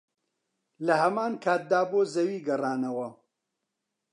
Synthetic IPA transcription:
lɐɦɐmaːnkʰaːt̪̚d̪aːboːzɐwiːɡɐraːnɐwɐ

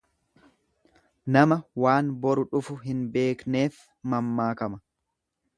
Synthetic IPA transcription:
nɐmɐwaːnbɔɾʊᶑʊfʊɦɪnbe̞ːkne̞ːf | mɐmːaːkɐmɐ

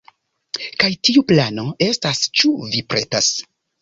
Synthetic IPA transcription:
kajtiuplano̞e̞stast͡ʃuvipɾe̞tas

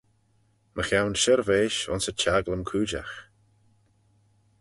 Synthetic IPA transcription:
mʔəxawnʃəɾveːʃʊ̰nsət͡ʃaɡləmkʰuːd͡ʒa̰x

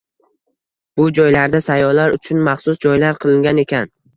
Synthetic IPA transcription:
b̥ʊd͡ʒɒjlaɾd̪asajɒlaɾʊt͡ʃʰʊnmaχsʊsd͡ʒɒjlaɾqʰɨlˠɪŋɡʲane̞kʲʰan

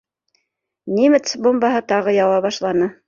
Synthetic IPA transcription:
nʲimɘt̪sbombɑɦɤt̪ɑʁɤjɑwɑbɑʃlˠɑnɤ

